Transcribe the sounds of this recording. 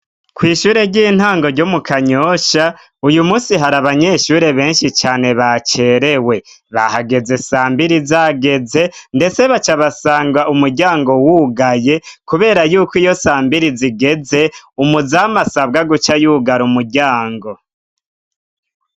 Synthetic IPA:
kwiːʃuːɾe̞ɾɟiːn̥haːŋɡo̞ɾɟomukaɲoʃa | ujumuːsiɦaɾaβaɲe̞ːʃuɾe̞βe̞ːnʃit͡ʃaːne̞βat͡ʃe̞ɾe̞we̞ | βa̰haɡe̞ze̞saːmbiɾizaɡe̞ze̞nde̞t͡se̞βat͡ʃaβasaːŋɡaʔumuɾɟaːŋɡo̞wuːɡaje̞kuβe̞ːɾajuːkijo̞saːmbiɾiziɡe̞ze̞umuzaːmasaβɡaɡut͡ʃajuːɡaɾumuɾɟaːŋɡo̞

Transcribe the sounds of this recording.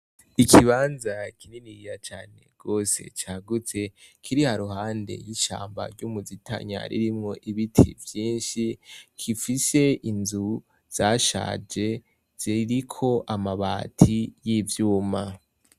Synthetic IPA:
ikʰiβaːnzakininijat͡ʃaːne̞̰ɡ̥o̞ːse̞̰t͡ʃaːɡut͡se̞kʰiɾihaɾuhaːnde̞̰jiʃa̰ːmba̰ɾɟumuzitʰa̰ɲa̰ɾḭɾimŋo̞ʔiβitʰḭvjiːnʃikʰifise̞inzu | z̥aʃa̰ːd͡ʒe̞ | z̥iɾikʰo̞ʔamaβaːtʰijivjuːma

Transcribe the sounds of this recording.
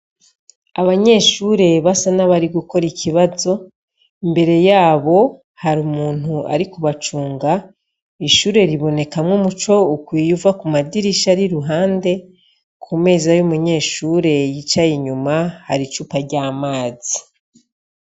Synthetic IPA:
aβaɲe̞ːʃuːɾe̞βasanaβaɾiɡuko̞ɾicʰiβazo̞ | imbe̞ɾe̞jaːβo̞ | haɾumuːn̥ua̰ɾikuβat͡ʃuːŋɡa | iʃuːɾe̞ɾiβo̞ne̞kamŋomut͡ʃo̞ukwijuvakumadiɾiʃaɾiɾuɦaːnde̞ | kʰume̞ːzajumuɲe̞ːʃuɾe̞jit͡ʃajiɲumahaɾit͡ʃupaɾɟaːmaːzi

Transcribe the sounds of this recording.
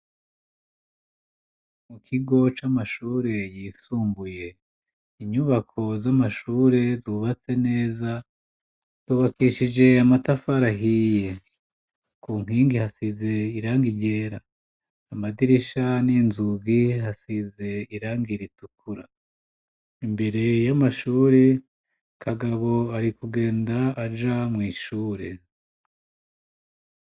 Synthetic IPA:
mukʰiɡo̞t͡ʃamaʃuːɾe̞jiːsuːmbuje̞ | iɲuβakʰo̞zamaʃuːɾe̞zuːβat͡se̞ne̞ːza | z̥uβakiʃid͡ʒe̞amatafaɾaɦije | kuːŋ̥iːŋɡihasize̞iɾaːŋɡiɟe̞ːɾaː | madiɾiʃaninzuɡiɦasize̞iɾaːŋɡiɾitukʰuɾa | imbe̞ɾe̞jamaʃuːɾe | kʰaɡaβo̞aɾikuɡe̞ːndaːd͡ʒamŋiːʃuːɾe

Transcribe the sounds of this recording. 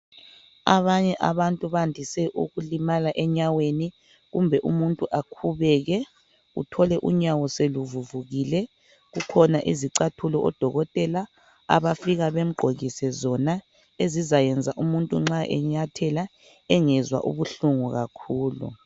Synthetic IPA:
a̰βaɲɛʔaβantʼuβandʱisɛʔṵɣulimalaʔɛɲaweni | ɣumbʱɛʔumuntʼuʔakʰuβɛɣɛ | ṵtʰɔlɛʔṵɲawɔseluvuvuɣilɛ | ɣukʰɔnaʔiziǀatʰulɔʔɔ̰d̥ʱɔɣɔtʼɛla | a̰βafiɣaβem̩ɡ͡ǃʱoɣisɛzɔna | ezizajɛnd͡zʱaʔumuntʼṵŋ͡ǁaʔɛ̰ɲatʰɛla | ɛŋɛzwa̰ʔṵβuɬuŋuɣakʰuːlṵ

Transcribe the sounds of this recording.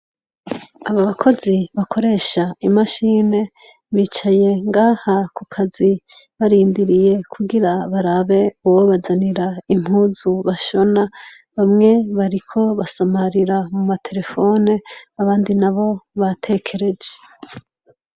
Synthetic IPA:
aβaβakʰo̞ziβakʰo̞ɾe̞ːʃaimaʃiːne̞ | βit͡ʃaje̞ŋɡahakukʰaziβaɾiːndiɾije̞kʰuɡiɾaβaɾaβe̞uwoβazaniɾaim̥huːzuβaʃo̞na | βamŋe̞βaɾikʰo̞βasamaɾiɾamumatʰe̞ɾe̞fo̞neaβaːndinaβo̞βatʰe̞kʰe̞ɾe̞d͡ʒe̞

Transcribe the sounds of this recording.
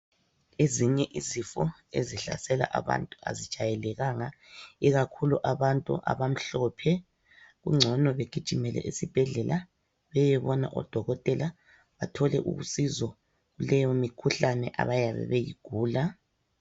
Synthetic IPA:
eziɲɛʔizifɔ | ḛziɬa̰sɛla̰ʔaβa̰ntʼua̰zid̥ʒ̥ʱajɛlɛɣaŋaiɣakʰuluʔaβantʼṵʔa̰βam̩ɬɔpʰɛ | ɣuŋ͡ǀʱɔnɔβeɡ̥ʱid̥ʒ̥ʱimɛlɛ̰ʔisib̥ʱɛɮɛla | βɛjɛβɔna̰ʔɔ̰d̥ʱɔɣɔtʼɛla | βatʰɔlɛ̰ʔṵɣṵsizɔ | ɣulɛjɔmikʰuɬanɛʔa̰βajaβɛ̰βejḭɡ̥ʱuːla

